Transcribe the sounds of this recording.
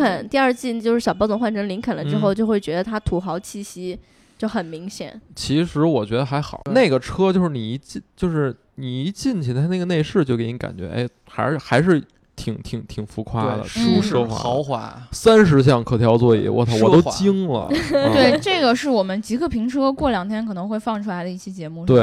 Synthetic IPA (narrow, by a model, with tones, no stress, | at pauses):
ə˨˩˦nt̪i˥˧ɐ˞˥˧t͡ɕi˥˧nt͡ɕjʂɻ̩˥˩ɕɑ˨˩p̬ɑ˥t͡sʊ˧˥ŋxwa˥˩nʈ͡ʂʰə˧˥ŋli˧˥ŋkʰa˨˩nlə˦ʈ͡ʂɻ̩˥xo˥˧ʊt͡ɕjo˥˧ʊxwe˥˩ɪt͡ɕɥɛ˧˥d̪ə˧t̪ʰa˥t̪ʰu˧˥xɑ˧˥ʊt͡ɕʰi˥˩ɕi˥ | t͡ɕjo˥˩ʊxə˨˩nmi˧˥ŋɕjɛ̰˨˩˦nt͡ɕʰi˧˥ʂɻ̩˧˥wɔ˨˩t͡ɕɥɛ˧˥d̪ə˧xa˧˥ɪxɑ˨˩ʊna˥˩ɪɡə˩ʈ͡ʂʰɤ˥t͡ɕjo˥˧ʊʂɻ̩˥˩ni˨˩i˧˥t͡ɕi˥˧t͡ɕjo˥˧ʊʂɻ̩˥˩ | ni˨˩i˧˥t͡ɕi˥˩nt͡ɕʰi˧˥a˥˧na˥˩ɡə˩ne˥˧ɪʂɻ̩˥˩t͡ɕjo˥˩ʊke˧˥˩ni˧˥ka̰˨˩nt͡ɕɥɛ̰˧˥ʔḛ˥˩ɪ | xa˧˥ɪ˧xa˧˥ɪʂ̬ɻ̩˥˩ | t̪ʰi˨˩ŋt̪ʰi˨˩ŋt̪ʰi˨˩ŋfu˧˥kʰwa˥d̪ə̰˨u˥xwa̰˧˥ɑ˧˥xwa̰˧˥sa˥nʂ̬ɻ̩˧˥ɕ̬jɑ˥˩ŋkʰɤ˧˩t̪ʰjɑ˧˥ʊt͡swɔ˥˩ḭ˨˩˥wɔ̰˧˥t̪ʰwɔ˨˩˥t̪o˥ʊt͡ɕi˥ŋlə̰˨˧t̪we˥˩ɪʈ͡ʂɤ˥˩ɡə˩ʂɻ̩˥˩wɔ˨˩mə˦nt͡ɕi˧˥ɡə˥˩pʰi˧˥ŋʈ͡ʂʰɤ˥kwɔ˥˩ljɑ˨˩ŋt̪ʰjɛ˥nkʰɤ˨˩nɤ˧˥ŋxwe˥˧ɪfɑ˥˧ŋʈ͡ʂʰu˥la˧˥ɪlə˧i˥˧˩t͡ɕʰi˥t͡ɕjɛ˧˥mu˥˧˩t̪we˥˩ɪ